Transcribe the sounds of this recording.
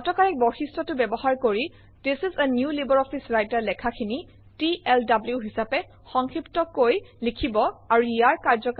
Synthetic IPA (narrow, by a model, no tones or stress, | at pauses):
ɔtɔkaɹɛk̚bɔxistɔtʊbɛbɔɦaɹkoɹi | tesizɛnjulibɔɹɔpʰisɹajtaɹlɛkʰakʰini | tiɛldabluɦisapɛ | xɔŋkʰɹiptɔkojlikʰibɔaɹuijaɹkaɹzɔk